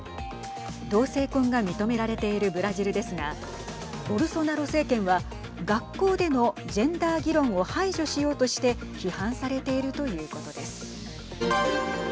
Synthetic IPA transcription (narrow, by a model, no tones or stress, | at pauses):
d̪o̞ːse̞ːkõ̞ŋɡamʲit̪o̞me̞ɾaɾe̞t̪e̞iɾɯ̟bɯ̟ɾaʑiɾɯ̟d̪e̞sɨŋa | o̞ɾɯ̟so̞naɾo̞se̞ːkẽ̞ɰ̃βa | ɡakːo̞ːd̪e̞no̞d͡ʑẽ̞nd̪aːɡʲiɾõ̞ɰ̃o̞haiʑo̞ɕijo̞ːt̪o̞ɕi̥t̪e̞ | çihãɰ̃saɾe̞t̪e̞iɾɯ̟t̪o̞jɯ̟ːko̞t̪o̞d̪e̞sɨ̥